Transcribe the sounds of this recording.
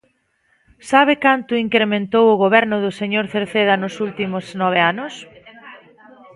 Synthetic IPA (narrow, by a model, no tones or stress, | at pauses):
saβ̞ɪkant̪ʊiŋkɾemẽnt̪owʊɣoβɛɾnʊðʊseɲoɾθeɾθeðɐnʊsult̪imʊsnɔβ̞eanʊs